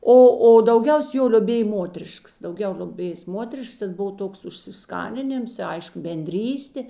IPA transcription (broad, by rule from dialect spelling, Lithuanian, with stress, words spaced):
ˈoː oː dɐʊˈɡʲɛʊs joː lʲoːˈbʲeːj ˈmoːtʲɛrʲɪʃkɐs dɐʊˈɡʲɛʊ lʲoːˈbʲeːjeːs ˈmoːtʲɛrʲɪʃks tʲɛn ˈboːw ˈtoːks ʊʃʲsʲɪˈskɑːnʲɪnʲɪms ɪ ˈɐɪʃkʊ bʲɛnʲˈdʲrʲiːsʲtʲeː